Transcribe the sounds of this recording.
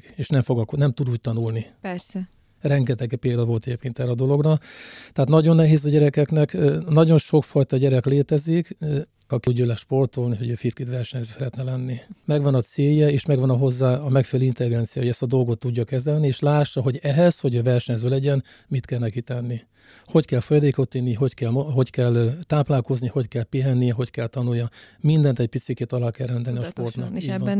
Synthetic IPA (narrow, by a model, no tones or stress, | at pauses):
eːʃnɛɱfo̞ɡɒknɛmt̪ud̪uːc̚t̪ɒnulnipɛrsɛ | rɛŋɡɛt̪ɛɡpeːld̪ɒvo̞lt̪ɛɟeːpkeːnt̪ɛrɾɛɒd̪o̞lo̞ɡrɒt̪ɛɦat̪nɒɟo̞nːɛɦeːzɒɟɛɾɛkɛknɛkːnɒɟo̞nʃo̞kfɒjt̪ɒɟɛɾɛkleːt̪ɛzik | ɒkiuɟølɛʃpo̞rt̪olniɦo̞ɟøːfit̪kit̪ʋɛrʃɛɲzøːsɛɾɛt̪nɛlɛnːimɛɡʋɒnɒt̪seːjɛeːʃmɛɡʋɒnɒɦo̞zːaːɒmɛkfeːlint̪ɛliɡɛnt̪sijaːoɛst̪ɒd̪o̞lɡo̞t̪ːuɟːɒkɛzɛlnieːʃlaːʃːɒɦo̞ɟɛɦɛsho̞ɟøːvɛrʃɛɲzøːlɛɟɛn | mit̪kɛlnɛkit̪ɛnːi | ho̞ckɛlfo̞jɒd̪eːko̞t̪ːinːiɦo̞ckɛlmoɦo̞ckɛlt̪aːplaːlko̞zniho̞ckɛlpiɦɛnːijɛɦo̞ckɛlt̪ɒnujjɒmind̪ɛnt̪ɛc̚pit̪sikeːt̪ɒlːaːkɛrrɛnd̪ɛlniɒʃpo̞rt̪nɒ̰kiːɟvɒ